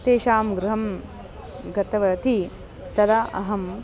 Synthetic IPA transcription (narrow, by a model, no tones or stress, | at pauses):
t̪eːʃaːmɡɾuɦɐm | ɡɐt̪ɐʋɐt̪i | t̪ɐd̪ɐɐɦɐm